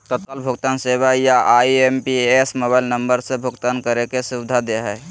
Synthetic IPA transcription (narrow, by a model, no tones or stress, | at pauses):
t̪ət̪kalbʱuɡt̪ansebajaʔaiempiesmobaɪlnəmbəɾsẽbʱuɡt̪ankəɾekesubɪd̪ʱad̪eɦɛ